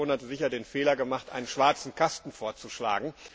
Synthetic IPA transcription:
oːnatzɪçɐdeːnfeːlɐɡəmaχtʔa̰ɪnənʃv̥aɐt͡sn̩kʰastn̩foːɐt͡suʃla̰ːɡŋ̩

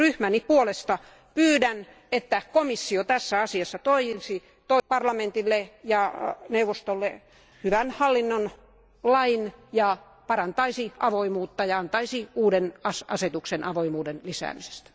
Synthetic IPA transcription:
ryhmænipuolest̪ɑ | pyːdæn | et̪ːækomisːiot̪æsːæɑsiɑsːɑt̪oiisi | t̪oipɑrlɑment̪ilːejɑneuʋːost̪olːe | hyʋænhɑlːinːon | lɑinjɑ | pɑrɑnt̪ɑisiʔɑʋoimuːt̪ːɑjɑɑnt̪ɑisiuːdenɑsɑset̪uksenʔɑʋoimuːdenlisæ̰ːmise̥st̪æ̥

